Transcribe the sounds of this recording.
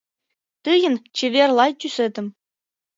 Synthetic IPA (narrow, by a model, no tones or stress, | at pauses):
t̪ɯjɤ̆nt͡ɕĕʋʲerlˠɑjt̪ʲysɘ̆d̪ɘ̆m